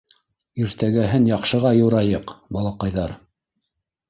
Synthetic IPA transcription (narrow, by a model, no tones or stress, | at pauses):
iɾt̪æɡæɦɘnjɑqʃɤ̆ʁɑjɤ̆wɾɑjɤqbɑlˠɑqɑjðɑɾ